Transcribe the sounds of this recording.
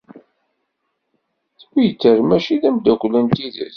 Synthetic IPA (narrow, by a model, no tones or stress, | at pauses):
θwijt͡sːəɾmæʃiðæmd̪ækʷːlənt̪iðə̰s